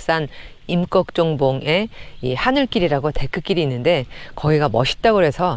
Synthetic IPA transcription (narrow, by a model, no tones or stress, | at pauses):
s͈an | imk͈ʌk̚t͡ɕ͈oŋboŋe̞ihanɯɭk͈iɾiɾaɡote̞k͈ʰɯk͈iɾiːnːɯnde̞kʌɡiɡamʌɕʰi̥t̚t͈aɡoɦe̞sʰʌ